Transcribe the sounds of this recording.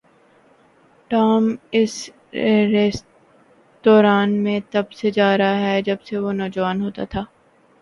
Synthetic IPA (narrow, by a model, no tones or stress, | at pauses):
ʈaːmɪs | ɾes | d̪̥ɔːɾaːnmẽt̪ɐbsed͡ʒaːɾaɦɛd͡ʒɐbseʋoːnɔːd͡ʒəʋaːnɦoːt̪a̰t̪ʰaː